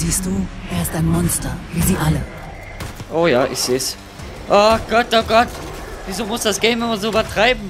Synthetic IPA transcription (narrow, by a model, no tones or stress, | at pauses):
ziːstd̥uːʔeːɐɪstaɪnmɔnstɐviːziːʔalə | ʔoːjaːʔɪ̰çz̥eːs | ʔoɡ̥ɔt̚ːoɡɔt | viːzoːmʊsd̥asɡ̥eːnvɛnvɐzoːbɐtʁ̥aɪbm̩